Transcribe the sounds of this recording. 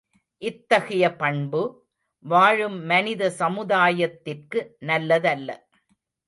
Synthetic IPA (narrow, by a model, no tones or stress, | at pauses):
ʔɪt̪ːɐɣɪjɐpɐɳbɯ | ʋaːɻɯmːɐnɪðɐsɐmɯðaːjɐt̪ːɪrkɯnɐlːɐðɐlːɐ̰